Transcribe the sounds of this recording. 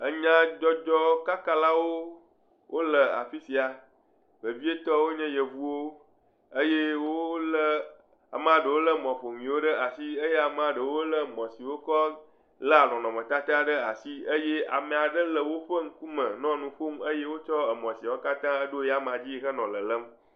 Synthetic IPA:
ə˦ɲã˦d͡ʒɔ˦d͡ʒɔ˦ka˦ka˦la˦wo˦ | wʔo˦lə˨a̰˨ɸi˦si˨a˨ | be˨vi˦e˦t̪ɔ˦wo˦ɲɛ̃˦je˨vu˦wo˦ | ə˦je˦wo˦lə˦ | a̰˨m˨a˨ɖə˨wo˦lə˦mɔ̃˨ɸo˨ŋĩ˨wo˦ɖə˦a˨si˦ə˦je˦a˨m˦ã˨ɖə˨wo˦lə˦mɔ̃˨si˨wo˦kɔ˦ | lə˦a˨lɔ̃˨nɔ̃˨mə̃˨t̪a˦t̪a˦ɖə˦a˨si˦ə˦je˦ʔa̰˨mẽ˨a˨ɖə˦lə˨wo˦ɸə˦ŋ̩˦ku˦mə̃˨nɔ̃˦nũ˨ɸu˦mə˦je˦wo˦t͡ʃɔ˦ə˨mɔ̃˨si˨a˨wo˦ka˦t̪ã˦ə˦ɖo˦ja˦m˨a˨d͡ʑi˦xə˦nɔ̃˨lə˨lə˦m

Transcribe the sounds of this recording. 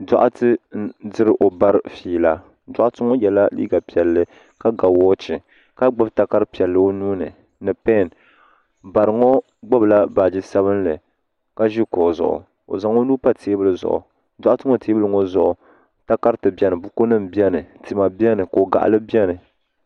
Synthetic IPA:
da̰˨ʔʊ˦tɨ˦n̩˦dɨ˦ɾɨ˦ʔo˨ba˦ɾfiː˨la˦ | da˦ʔʊ˦tɨ˦ŋo˦jɛ˨la˦lḭː˦ɡa˨pi˨ɛ˨lːɨ˦ | ka˦ɡa˨wɔː˦t͡ʃɪ˨ | ka˦ɡ͡ba˦bta˨ka˦ɾɨ˦pi˨ɛ˨lːɨ˦o˦nuː˦nɨ˨ | nɨ˨pɛ˦˨n | ba˨ɾɨ˨ŋo˦ | ɡ͡ba˦bla˦ba˨d͡ʒi˦sa˦βɨ˦nlɨ˨ | ka˦ʒi˦ko˨zʊ̰˨ʔʊ̰˨ | o̰˨za˨ŋo˦nuː˦pa˦tʰeː˦bɨ˦lɨ˨zʊ̰˨ʔʊ̰˨ | da˨ʔʊ˦tɨ˦ŋo˨teː˦bɨ˦lɨ˨ŋo˦zʊ˨ʔʊ˨ | ta˦ka˦ɾtɨ˨bi˦ɛ˦nɨ˨bu˦ko˦nɨ˦˨m̩˨bi˦ɛ˦nɨ˨ti˨˦ma˨bi˦ɛ˦nɨ˨ko˨o˨ɡa̰˨ʔa̰˨lɨ˦bi˦ɛ˦nɨ˨

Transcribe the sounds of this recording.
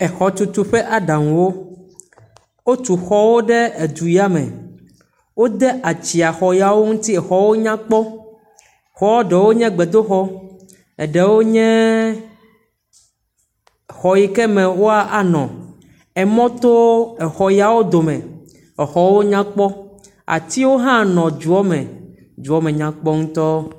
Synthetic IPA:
ɛ˨xɔ˨t͡ʃu˦t̪u˦ɸɛ˦ʔa˨ɖa˨ŋũ˨wo˦ | wo˦t͡ʃu˨xɔ˦wo˦ɖɛ˦e˨d͡ʒ̪u˨ji˦a˦mɛ̰̃˨ | wo˦d̪ɛ˦ʔa˨t͡ɕi˨a˨xɔ˨ja˨wo˦ŋũ˦t̪i˦ɛ˨xɔ˨wo˦ɲã˦k͡pɔ˦ | xɔ˦wo˦ɖɛ˨wo˦ɲɛ̃˦ɡ͡bɛ˨d̪o˦xɔ˦ | ɛ˨ɖɛ˨wo˦ɲɛ̃˦ | xɔ˨ji˨kɛ˦mɛ̃˨wo˦a˦ʔa˨nɔ̃˨ | ɛ˨mɔ̃˦t̪o˦ɛ˨xɔ˨ja˨wo˦d̪o˨mɛ̃˨ | ɛ˨xɔ˨wo˦ɲã˦k͡pɔ˦ | a̰˨t̪i˦wo˦ɦã˦nɔ̃˨d͡ʒu˨ɔ˦mɛ̃˨ | d͡ʒu˨ɔ˦mɛ̃˨ɲã˨k͡pɔ˦ŋũ˦t̪ɔ˦

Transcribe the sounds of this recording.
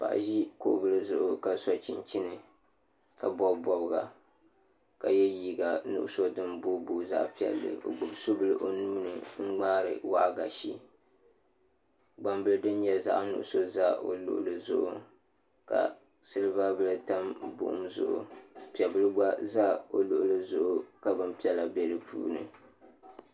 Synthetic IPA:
pa̰˨ʔʒi˦ko̰˦ʔbɨ˦lɨ˦zʊ˨ʔʊ˦ka˨sɔ˦t͡ʃi˦nt͡ʃi˦nɨ˨ | ka˨bɔ˦bbɔ˦bɨ˦ɡa˨ | ka˨jɛ˦jiː˦ɡa˨nʊ̰˦ʔʊ˦so˦dɨ˦mbo˦bo˨za̰˦ʔpi˨ɛ̰˨lːɨ̰˨o̰˨ɡ͡bʊ˨bso˦bɨ˦lɨ˦ʔo˨nuː˦nɨ˨ŋ͡m̩˦ɡ͡baː˦ɾɨ̰˨wa˦ʔɡa˨ʃi˦ | ɡ͡ba˨mbɨ˦lɨ˦dɨ˦n˦ɲɛ˦za̰˦ʔnʊ̰˨ʔʊ˦so˦za˦o˨lʊ̰˦ʔʊ̰˦lɨ˨zʊ˦˨ʔʊ̰˦˨ | ka̰˨ | sɨ˦lɨ˦ba˦bɨ˦lɨ˦ta˦mbʊ̰˨ʔʊ̰˦mzʊ̰˦ʔʊ̰˨pi˨ɛ˨bɨ˦lɨ˦ɡ͡ba˦za˦o˨lʊ˨ʔʊ˦lɨ˦zʊ˦ʔʊ˦ka˨bɨ˦mpi˦ɛ˦la˨bɛ˨lɨ˦pʰṵː˦nɨ̰˨

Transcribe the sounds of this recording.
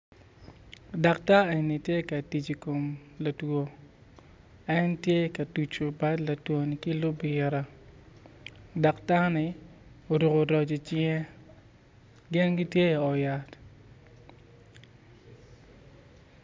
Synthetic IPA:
da˨kta˦e˨ni˨tje˦ka˨ti˨t͡ʃi˨ko˨mla˨two˨ | ɛ˦ntje˦˨ka˨tu˨t͡ʃo˨ba˦dla˨two˨nɪ˨ki˦lʊ˦bɪ˨ɾa˦ | da˨kta˦nɪ˨ | o˨ɾu˨ɡo˨ɾɔ˨d͡ʒi˨t͡ʃɪɛ˦ | ɡɪ˦nɡi˦tje˦ɔ˨ja˨t

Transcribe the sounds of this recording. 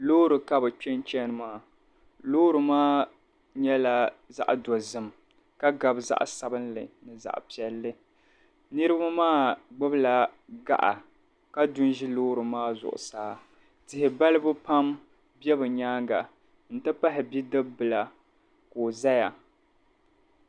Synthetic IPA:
loː˦ɾɨ˨ka˦bɨ˨t͡ʃɛ˦nt͡ʃɛ˦nɨ˨maː˦˨ | loː˦ɾɨ˨maː˦ | ɲɛ˦la˨za̰˦ʔdɔ˨zɨ˦m | ka˦ɡa˨bza̰˦ʔsa˨bɨ˦nlɨ̰˨nɨ˨za̰˨ʔpi˨ɛ˦lːɨ˦ | nɨ˦ɾɨ˦ba˦maː˦ɡ͡bɨ˦bla˨ɡa̰˦ʔa̰˨ | ka˦dʊ˦n˦ʒi˦loː˦ɾɨ˨maː˦zʊ̰˨ʔʊ̰˨saː˦ | tɪ˨hɪ˨ba˦lɨ˦bɨ˦pa˦m | bɛ˦bɨ˨ɲaː˦ŋɡa˨ | n̩˦tɨ˦pa˦ɦɪ˨bi˦dɨ˦bɨ˨la˨ | koː˨za˦ja˨

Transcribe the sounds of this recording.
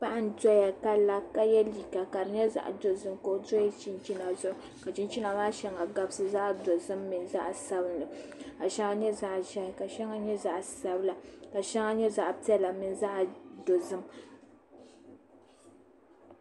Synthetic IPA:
pa˦ʔa˦n̩˦dɔ˦ja˨ka˦la˦ka˦jɛ˦li˨ka˨ka˨ɾɲɛ˦za̰˦˨ʔdo˨zɨ˦mko˨ʔdo˦ji˦t͡ʃi˦nt͡ʃi˦na˨zʊ˦ʔʊ˨ | ka˨t͡ʃi˦nt͡ʃi˦na˨maː˦ʃɛ˦ŋa˨ɡa˦bɨ˦sɨ˨za˦ʔdo˨zɨ˦mːɨ˨nza˦ʔsa˦bɨ˦nlɨ˨ka˨ʃɛ˦ŋa˦ɲɛ˦za˦ʔʒɛ˦hɪ˨ka˨ʃɛ˦ŋa˦ɲɛ˦za˦ʔsa˨bɨ˦la˨ka˨ʃɛ˦ŋa˦ɲɛ˦za˦˨ʔpi˦ɛ˦la˨mɨ˨n˦za˦ʔdo˨zɨ˦m

